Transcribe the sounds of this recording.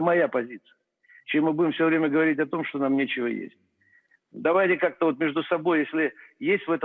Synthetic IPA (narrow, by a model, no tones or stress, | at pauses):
mɐjapɐzʲit̪sɨ̥jə | t͡ɕemːɨbudʲɪmfsʲovɾʲemʲəɡəvɐɾʲitʲɐt̪o̞mʂt̪onamnʲet͡ɕɪvə̰jḛsʲt̚ʲ | d̪ɐvajt̪ʲɪkak̚t̪əvo̞t̪̚mʲeʐd̪ʊsɐbo̞jjesʲlʲɪjesʲtʲvɛt̪ə